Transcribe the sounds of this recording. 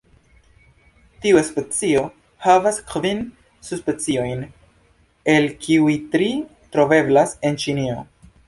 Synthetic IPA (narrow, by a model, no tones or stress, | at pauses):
tiuespet͡sio̞ | havaskvin | suspet͡sio̞jn | e̞lkʰiujtɾi | tɾo̞ve̞blase̞nt͡ʃinio̞